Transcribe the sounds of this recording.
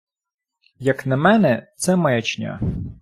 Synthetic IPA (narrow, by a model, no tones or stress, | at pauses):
jɐknɐmɛnɛt̪sɛmɐjɐt͡ʃnʲa̰